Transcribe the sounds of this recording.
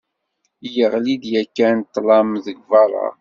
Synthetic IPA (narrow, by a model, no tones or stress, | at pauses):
jəʁlid̪jækːænt̪ːlɑmðəɡvɑɾˤɑ̰